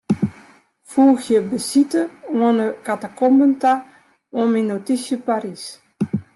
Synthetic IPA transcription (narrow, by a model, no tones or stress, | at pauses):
fuːxjəbəsitəwənəkatakɔmbənta | ominːotisjəpaɾis